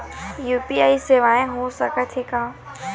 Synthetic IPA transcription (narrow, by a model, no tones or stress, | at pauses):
juːpiaːiseːʋaːẽɦũːsəkət̪ʰeːkãː